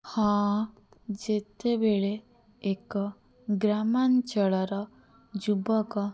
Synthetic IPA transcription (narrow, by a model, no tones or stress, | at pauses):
hɔ̃ | d͡ʒet̪ebeɭeː | kɔ | ɡɾamant͡ʃɔɭɔɾɔ | d͡ʒubɔkɔ